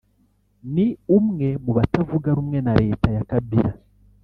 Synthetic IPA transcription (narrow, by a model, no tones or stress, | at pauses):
niumŋe̞muβatavuɡaɾumŋe̞naɾe̞ːtajakabiɾa